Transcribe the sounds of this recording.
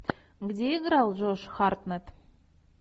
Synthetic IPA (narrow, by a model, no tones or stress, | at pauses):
ɡd̪ʲeɡɾɑlˠʒoʃxɑrt̪nət̪